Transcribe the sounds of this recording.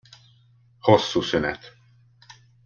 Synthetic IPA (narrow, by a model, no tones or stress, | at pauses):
hosːuːsynɛt̪